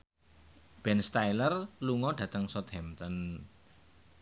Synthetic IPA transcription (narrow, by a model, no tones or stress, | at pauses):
b̥ɛnst̪ailərluŋɔɖ̥ä̤t̪əŋsɔt̪ɛmt̪ən